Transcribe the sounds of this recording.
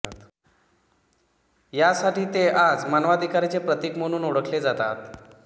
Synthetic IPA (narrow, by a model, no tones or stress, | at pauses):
jasaʈiːt̪eʔad͡zmanʋad̪ʱikaɾit͡sepɾət̪ikməɽ̃uːnoɽəkʰled͡zat̪a̰t̪